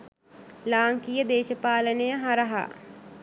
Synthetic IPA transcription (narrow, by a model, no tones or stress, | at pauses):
laːŋkijəd̪eːʃəpaːlənejəɦaɾəɦa̰